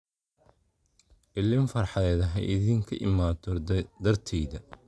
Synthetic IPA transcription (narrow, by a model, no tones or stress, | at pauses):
ʔɪlɪɱfɐrħɑðɛːðɐɦɛʔɪðiːŋkʰɐʔɪ̰maːt̪ɔd̪ɐrt̪ʰɛjðɐ